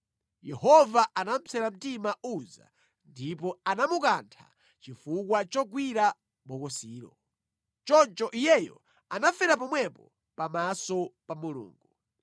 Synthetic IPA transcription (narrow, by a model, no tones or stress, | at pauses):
jɛhɔvaʔanam̩t͡sʰɛɾam̩timaʔuza̰ | ndipɔanamukantʰa̰ | t͡ʃifukwat͡ʃɔɡwiɾa | ɓɔkɔsiːɾɔ̰ | t͡ʃɔnt͡ʃɔʔijɛjɔ̰ | anafɛɾap̬ɔmwɛpɔ | pamasɔpamulṵːŋɡu